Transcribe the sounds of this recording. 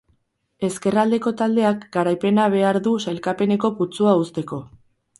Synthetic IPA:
e̞ske̞rald̪e̞ko̞t̪ald̪e̞akɡaɾajpe̞naβ̞e̞aɾðusajlkape̞ne̞ko̞put͡suaust̪e̞ko̞

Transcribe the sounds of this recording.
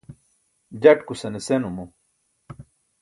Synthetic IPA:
d͡ʑɐʈkusɐnesenumu

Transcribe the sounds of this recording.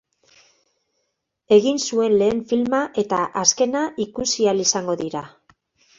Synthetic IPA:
e̞ɣinsue̞nle̞ːɱfilmaʔe̞t̪aʔaske̞naʔikusialisaŋɡo̞ðiɾa

